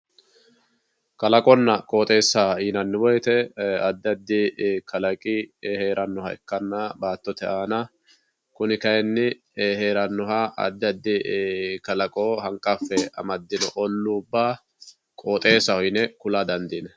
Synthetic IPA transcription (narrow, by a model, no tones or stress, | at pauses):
kɐlɐkʼɔnːɐkʼo̞ːt̪ʼe̞ːsːaiːnɐnːɪwɔjt̪ɛɐd̪ːɐd̪ːɪkɐlɐkʼɪheːɾʔɐnːɔhɐɛ̰kːɐnːɐbaːt̪ːɔt̪ɛʔaːnɐ | kʊnɪkɐjɛnːɪ | ɦeːɾɐnːɔhɐʔɐ̰d̪ːɐd̪ːɪkɐlɐkʼoːhɐŋkʼːɐfːɛɐ̰mɐd̪ːɪnɔʔɔlːuːʊbːaː | kʼoːt̪ʼe̞ːsːɐhɔjɪnɛkʊlad̪ɐnd̪iːnɛ